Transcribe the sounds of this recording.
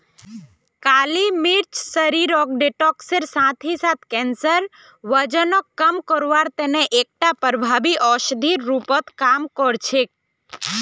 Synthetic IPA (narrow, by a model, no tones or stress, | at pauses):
kalimiɾt͡ʃsəɾiɾɔk̚ɖeʈɔkseɾsãt̪ʰisãt̪ʰkɛnsəɾ | ʋəd͡ʒənokːəmkɔɾʋaɾt̪eneʔek̚ʈapəɾbʱabiʔɔʃd̪ʱiɾːupət̪kamkɔɾt͡ʃʰe